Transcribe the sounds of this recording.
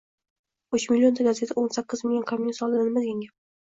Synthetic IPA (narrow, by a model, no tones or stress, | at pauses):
ʊt͡ʃmɪlʲːio̞nd̪ʰaɡazʲjet̪ʰaʔonsakʲːɪzmɪŋʲakʰamːsɒlˠd̪ɪnanɪmad̪ɡʲanɡʲap̚